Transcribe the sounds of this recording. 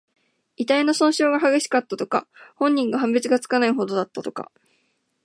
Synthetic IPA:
it̪aino̞sõ̞ɰ̃ɕo̞ːɡaɦaɡʲe̞ɕi̥kat̪ːat̪o̞ka̰hõ̞ɲ̟ːĩŋɡaɦãmbet͡sɨɡat͡sɨ̥kanaiɦo̞d̪o̞d̪at̪ːat̪o̞ka̰

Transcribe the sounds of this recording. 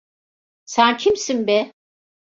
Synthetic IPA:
sæncʰimsinbɛ

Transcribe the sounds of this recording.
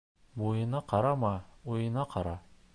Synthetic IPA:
bojɤ̆nɑqɑɾɑmɑujɤ̆nɑqʰɑɾɑ

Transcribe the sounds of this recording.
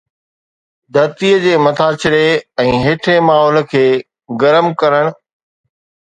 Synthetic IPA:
d̪ʱɐɾt̪iəd͡ʑeːmɐt̪ʰaːt͡ɕɪɽeɛ̃ːɦeːʈʰɾemaːɦɔːlə̆kʰeː | ɡɐɾəmkɐɾəɽ̃ʊ̆

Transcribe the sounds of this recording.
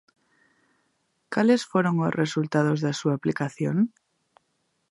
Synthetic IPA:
kalesfweɾoŋosrʔesult̪að̞o̞zðesuaplikaθjon

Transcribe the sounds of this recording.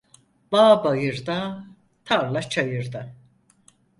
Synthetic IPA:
baːbajɯɾd̪a | t̪ʰaɾlˠat͡ʃʰajɯɾd̪a

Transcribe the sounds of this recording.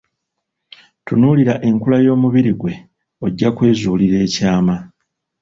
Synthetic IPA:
tunuːliɾaʔe̞ŋkulajo̞ːmuβiɾiɡwe̞ | oɟːakwe̞ːzuːliɾe̞ːcaːma

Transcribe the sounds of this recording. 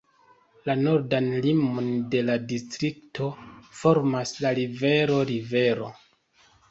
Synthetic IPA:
lano̞ɾdanlimonde̞ladistɾiktʰo̞fo̞ɾmaslaɾive̞ɾo̞ɾive̞ɾo̞̰

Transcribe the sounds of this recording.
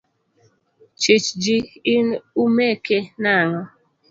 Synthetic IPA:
t͡ʃit͡ʃd͡ʒiɪnumekenaŋɔ

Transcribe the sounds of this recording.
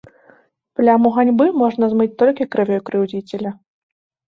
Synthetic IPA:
plʲamuɣanʲbɨmɔʐnɐzmɨt͡sʲt̪ɔlʲkʲikɾɨvʲɔjkɾɨwd͡zʲit͡sʲɛlʲɐ

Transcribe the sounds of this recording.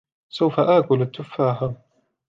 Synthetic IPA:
sawfaʔaːkʊlat̪ːʊfːaːɦaː

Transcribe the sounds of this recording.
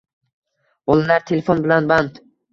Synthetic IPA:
olˠɪlaɾt̪ʰelʲefonbɪlanband̪

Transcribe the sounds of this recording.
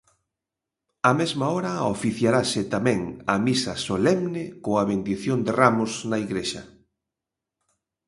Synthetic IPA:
amezmaɔɾɐofiθjaɾasɪt̪amɛ̃ŋɐmisɐsolɛmnɪkoɐβend̪iθjond̪ɪramʊsnɐiɣɾeʃɐ̰

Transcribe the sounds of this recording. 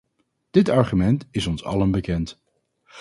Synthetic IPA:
d̥ɪtɑɹχymɛntɪsɔnsɑ̰lənbəkɛnt

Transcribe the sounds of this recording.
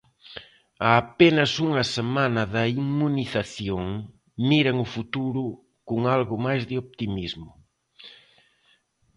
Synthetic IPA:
aːpenɐsuŋɐsemãnɐðɐiŋmuniθaθjoŋ | miɾɐŋʊfut̪uɾʊ | kʊŋalɣʊmajzðɪop̚t̪imizmʊ

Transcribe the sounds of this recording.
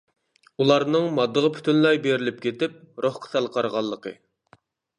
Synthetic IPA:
ulˠɑɾnɨŋmɑd̪ːəʁəpʰy̥t̪ʰynlˠɑjbeɾɪlɪp̚kʲʰet̪ɪp̚ɾoχqʰə̥sɑlˠqʰɑɾʁɑlˠːəqʰə̰

